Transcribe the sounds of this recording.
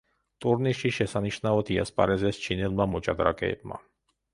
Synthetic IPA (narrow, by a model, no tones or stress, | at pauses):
t̪ʼuɾniʃiʃɛsaniʃnaɔt̪ʰiaspʼaɾɛzɛst͡ʃʰinɛlmamɔt͡ʃʼad̪ɾa̰kʼɛ̰ɛ̰b̥̚ma̰